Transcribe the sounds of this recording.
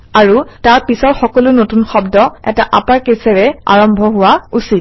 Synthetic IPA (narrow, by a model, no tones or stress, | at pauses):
aɹutaɹpisɔɹxɔkɔlʊnotunxɔbdɔɛ̰taʔapaɹkesɛɹɛa̰ɹɔmbʱɔɦʊwausit̚